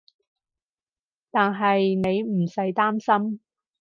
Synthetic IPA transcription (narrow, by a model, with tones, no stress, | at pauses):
t̪aː˨nɦɐ˨jne˨˧jm̩˨˩sɐ˨˥jt̪aː˥msɐ˥m